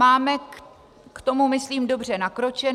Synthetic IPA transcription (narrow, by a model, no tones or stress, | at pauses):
aːmɛ | kt̪o̞mumɪsliːmdo̞br̝ɛnakɾo̞t͡ʃɛ